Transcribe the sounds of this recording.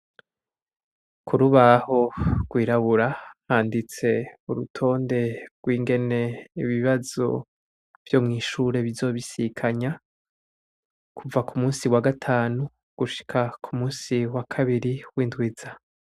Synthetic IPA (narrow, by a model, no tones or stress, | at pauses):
kʰuɾuβaho̞ɡ̥wiːɾaβuɾahaːndit͡se̞uɾutʰo̞ːnde̞ɡ̥wiːŋɡe̞ne̞iβiβazo̰ | v̥jo̞mŋiːʃuɾe̞βizo̞βisikʰaɲa | kʰuvakumuːnsiwaɡatʰaːnu | ɡ̥uʃi̥kʰakʰumuːnsiwakʰaβiɾiwiːndwiːza